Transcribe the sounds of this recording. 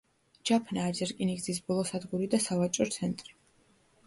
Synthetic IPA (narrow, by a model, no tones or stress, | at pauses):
d͡ʒapʰnaːd͡ʒɛɾkʼiniɡzis̬bɔlˠɔsad̪ɡuɾid̪asavat͡ʃʼɔt̪sʰɛnt̪ʼɾi